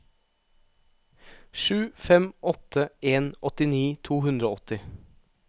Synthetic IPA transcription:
ʃʉːfɛmʔɔt̪ʰəeːnʔɔt̪ɪniːt̪ʰuːhʉnd̪ɾoːɔt̪ɪ

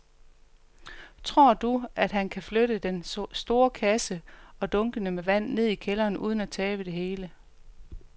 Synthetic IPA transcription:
t͡sʰʁo̝ɐ̰d̥uæd̥ɦænkʰæfløɾəd̥ensd̥o̝ːɐkʰæsəɒ̽d̥ɔ̽ŋɡ̥ənəmeʋæn̰ːe̝ð̞̰ˠikʰelɐːnuːð̞ˠn̩æt͡sʰɛːb̥əd̥e̝ɦe̝ːlə

